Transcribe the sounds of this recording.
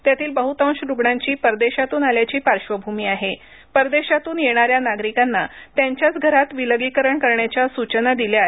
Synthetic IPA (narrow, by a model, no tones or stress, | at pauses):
t̪jat̪ʰiːlbəɦut̪ə̃w̃ɕɾuɡɳãɲt͡ɕiːpəɾd̪eɕat̪uːnaljat͡ɕiːpaɾɕʋəbʱumiːaɦe | pəɾd̪eɕat̪uːnjeɽ̃aɾjanaɡɾikanːat̪jaɲt͡ɕjat͡sɡʱəɾat̪ʋiləɡikəɾəɳkəɾɳjat͡ɕjasut͡ɕənad̪iljae